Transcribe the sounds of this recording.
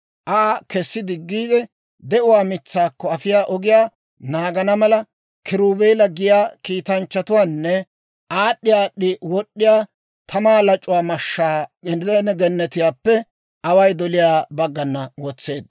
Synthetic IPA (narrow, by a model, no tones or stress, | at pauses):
ʔaːkɛsːɪd̪ɪɡːiːd̪ɛ | d̪ɛʔʊwaːmɪt͡sːaːkːɔɐfɪjaːʔɔɡɪjaː | naːɡɐnɐmɐlɐ | kʰɪɾuːbeːlɐɡɪjaːkiːt̪ɐnt͡ʃːɐt̪ʊwaːnːɛ | ʔaːɗːɪjaːɗɪwɔɗːɪjaː | t̪ʰɐmaːlɐt͡ʃʼːʊwaːmɐʃːaːɛɛnɛɡɛnːɛt̪ɪjaːpːɛ | ʔɐwɐjd̪ɔlɪjaːbɐɡːɐnːɐwɔt͡sːeːd̪̚